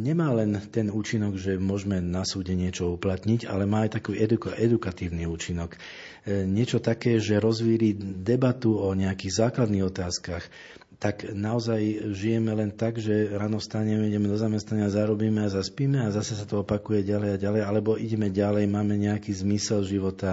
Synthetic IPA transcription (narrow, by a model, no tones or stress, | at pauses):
ɲɛmaːlɛnt̪ɛnuːt͡ʃinɔɡʒɛmʊɔʒmɛnasuːɟɛɲɪɛt͡ʃɔuplat̪ɲiɟa̰lɛmaːajt̪akuːʔɛd̪ukɔʔɛd̪ukat̪iːʊniuːt͡ʃinɔk | ɲɪɛt͡ʃɔt̪akɛːʒɛɾɔzʋiːɾid̪ɛbat̪uɔɲɛakiːɣzaːklad̪niːɣɔt̪aːskax | t̪aknaɔzajʒijɛmɛlɛnt̪aɡʒɛɾaːnɔst̪aɲɛmɛiɟɛmɛd̪ɔzamɛst̪naɲɪazaɾɔbiːmɛazaspiːmɛazasɛsat̪ɔɔpakujɛɟalɛjaɟalɛjalɛbɔʔiɟɛmɛɟalɛjmaːmɛɲɛakiːzmisɛlʒiʋɔt̪a